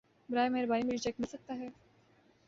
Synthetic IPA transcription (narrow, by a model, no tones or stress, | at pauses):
bɾaːjmeːɾbaːimiʃt͡ʃɛkmɪlsɐk̚t̪aɦɛː